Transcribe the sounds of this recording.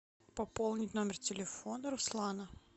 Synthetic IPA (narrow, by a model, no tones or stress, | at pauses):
pɐpolˠnʲɪtʲnomʲɪrtʲɪlʲɪfonəɾʊslˠanə